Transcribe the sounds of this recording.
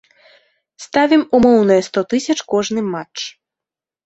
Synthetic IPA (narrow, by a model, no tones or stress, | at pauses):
st̪avʲimumɔwnɐjɛst̪ɔt̪ɨsʲɐt͡ʂkɔʐnɨmat͡ʂ